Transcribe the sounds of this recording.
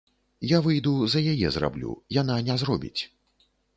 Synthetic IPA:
javɨjd̪uzɐjajɛzra̰blʲṵjan̪anʲɛzrɔbʲḭt͡sʲ

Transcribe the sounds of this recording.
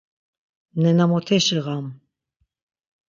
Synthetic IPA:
nɛnamɔt̪ʰɛʃiʁam

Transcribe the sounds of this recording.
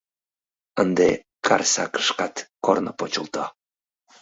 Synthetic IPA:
ənd̪e | kʰa̰ɾsa̰kə̥ʃkat̪kornəpot͡ʃulˠt̪o

